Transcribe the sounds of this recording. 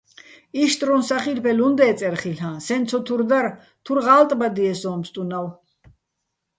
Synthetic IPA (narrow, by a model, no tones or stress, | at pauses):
iʃt̪ʼɾunsaχilpʰɛlund̪ɛːt̪t͡s̪ʼɛɾχilɦãsɛnsʰɔt̪ʰuɾd̪aɾ | t̪ʰuɾʁaːlt̪ʼbad̪iɛsɔːmst̪ʼunaw